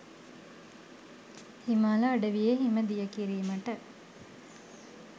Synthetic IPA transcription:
himaːlɐːɖɐʋijeɦimɐd̪ijɐkiɾiːmɐʈɐ

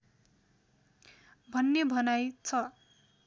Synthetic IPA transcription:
bʱʌnːebʱʌnajt͡sʰʌ

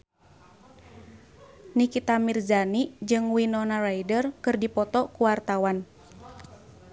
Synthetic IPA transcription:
nikit̪amirzanid͡ʒɨŋwinɔnarajdərkɨrdipɔt̪ɔkuwart̪awan

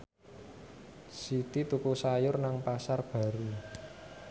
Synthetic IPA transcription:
sit̪it̪ukusajʊrnaŋpasarb̥ä̤ɾu

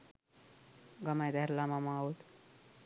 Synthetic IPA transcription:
ɡʌmajd̪ʱaɾlamamãaut̪

